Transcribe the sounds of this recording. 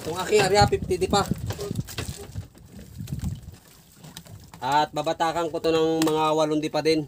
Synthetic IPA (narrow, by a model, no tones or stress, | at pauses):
k̪ʊŋakɪaɾjapɪt̪id̪ɪpa | ʔat̪̚babat̪aːkaŋkot̪onaŋmɐŋawalʊnd̪ɪpad̪ɪn